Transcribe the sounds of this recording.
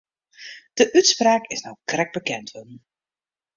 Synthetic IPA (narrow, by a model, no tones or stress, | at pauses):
d̥əʔytspraːkɪsnowkrɛk̚bəkɛntʰʋən̩